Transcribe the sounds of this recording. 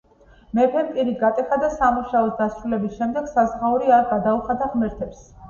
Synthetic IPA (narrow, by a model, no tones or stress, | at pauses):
mɛpʰɛmpʼiɾiɡat̪ʼɛχad̪asamuʃaɔsd̪asɾulɛbisʃɛmd̪ɛɡ̥sazʁauɾiaɾɡad̪auχad̪aʁmɛɾt̪ʰɛps